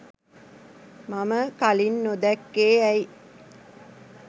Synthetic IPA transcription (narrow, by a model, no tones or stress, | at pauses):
mɐməkɐlinːud̪ɐkːeːæj